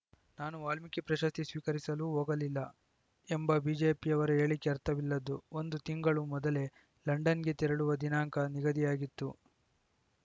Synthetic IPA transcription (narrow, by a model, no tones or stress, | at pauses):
naːnuʋaːlmikipɾɐʃɐst̪isʋiːkɐɾisɐluɦoːɡɐlilːɐ | embɐbid͡ʒeːpijɐʋɐɾue̞ːɭikːeɐɾt̪ɐʋilːɐd̪uond̪ut̪iŋɡɐɭumɔd̪ɐle̞ | lɐɳɖɐnɡe̞t̪iɾɐɽuʋɐd̪inaːŋkɐniɡɐd̪ijaːɡit̪ːu